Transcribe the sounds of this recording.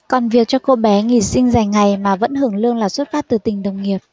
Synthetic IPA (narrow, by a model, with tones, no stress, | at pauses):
kɔ˨˩nvi˨˩ək̚t͡ɕɔ˧ko˧ɓɛ˨˦ŋi˧˩sï˧ŋ̟za˨˩jŋ̟ŋa˨˩jmaː˨˩və̰˧˥nhɨ˧˩əŋlɨ˧əŋlaː˨˩swt̚faː˦˥t̚t̪ɨ˨˩t̪ï˨˩ŋ̟ɗə˨˩wŋi˨˩əp̚